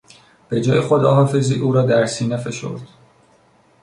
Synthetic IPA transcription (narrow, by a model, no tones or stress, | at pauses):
b̥e̞d͡ʒɒːjeχo̞d̪ɒːɦɒːfe̞ziːʔuːɾɒːd̪æɾsiːnefe̞ʃo̞̰ɾd̪̥